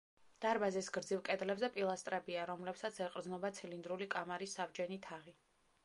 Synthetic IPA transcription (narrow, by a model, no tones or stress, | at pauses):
d̪̥aɾbazisɡɾd̪zivkʼɛd̪lɛbzɛpʼilˠast̪ʼɾɛbiaɾɔmlɛpsat̪sʰɛqʼɾd̪znɔbat̪sʰilind̪ɾulikʼamaɾisːavd͡ʒɛnit̪ʰaʁi